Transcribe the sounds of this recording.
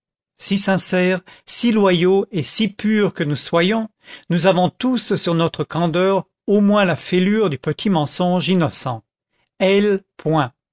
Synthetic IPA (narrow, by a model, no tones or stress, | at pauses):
sisɛ̃sɛʁsilwajoesipyʁkənuswajɔ̃ | nuzavɔ̃t̪ussyʁnɔt̪χəkɑ̃d̪œʁ | omwɛ̃lafelyːʁd̪ypət̪ʰimɑ̃sɔ̃ʒinɔsɑ̃ | ɛlpwɛ̃